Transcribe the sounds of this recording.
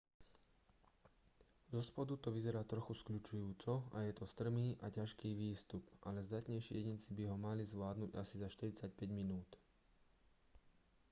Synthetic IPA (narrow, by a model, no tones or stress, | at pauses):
zɔspɔd̪ut̪ɔʋizɛɾaːt̪ɾɔxuskʎut͡ʃujuːt͡sɔajɛt̪ɔst̪r̩miːʔacaʃkiːʋiːst̪upʔalɛzd̪at̪ɲɛjʃḭjɛɲit͡sibiɦɔmalizʋlaːd̪nuɟa̰sizaʃt̪iɾit͡sac̚pɛɟminuːt̪